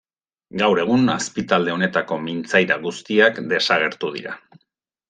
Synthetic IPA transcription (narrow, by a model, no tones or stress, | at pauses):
ɡawɾe̞ɣ̞unaspit̪ald̪e̞o̞ne̞t̪ako̞mint͡sajɾaɣust̪iakd̪e̞saɣ̞e̞ɾt̪uð̞ḭɾa̰